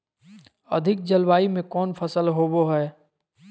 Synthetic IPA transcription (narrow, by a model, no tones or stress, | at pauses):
ə̰d̪ʱɪk̚d͡ʒəlwaːimẽkɔːnpʰəsəlɦoːboɦɛː